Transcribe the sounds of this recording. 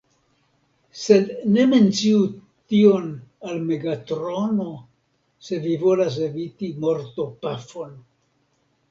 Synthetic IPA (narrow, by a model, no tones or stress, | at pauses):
se̞dne̞me̞nt͡siu | tio̞nalme̞ɡatɾo̞no̞ | se̞vivo̞las̬e̞vitimo̞ɾto̞pafo̞n